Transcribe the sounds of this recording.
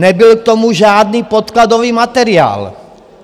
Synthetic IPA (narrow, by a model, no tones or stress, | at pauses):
ɲɛbilk̚t̪ɔmuʒɪaːd̪̚niːpɔt̪klad̪ɔʋiːmat̪ɛɾɪa̰ːl